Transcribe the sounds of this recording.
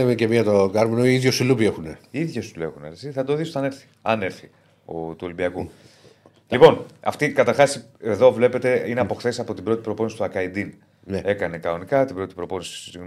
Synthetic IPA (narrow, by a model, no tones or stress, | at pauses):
emecemiɐt̪oɡɐɾminoiiðjosulupiexuneiðʝo̞st̪ule̞ɣunesiθɐd̪o̞ðisot̪ɐne̞ɾθi̥ɐ̰ne̞ɾθi | ot̪uo̞limbiɐku | lipo̞nɐ̰ft̪ikɐt̪ɐɾxɐseðo̞vle̞pe̞t̪e̞ineɐpo̞xθe̞sɐpo̞t̪ibɾo̞t̪i̥pɾo̞po̞nisi̥t̪uɐkɐid̪in | nee̞kɐne̞kɐnonikɐt̪ibɾo̞t̪ipɾo̞po̞nisi̥sosiɣn